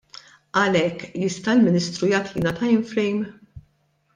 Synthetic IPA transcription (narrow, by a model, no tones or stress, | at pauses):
ʔɐlɛkːjɪst̪ɐɪlmɪniːst̪ɾujɐːt̪liːnɐt̪ɐjɪnfɾɛjm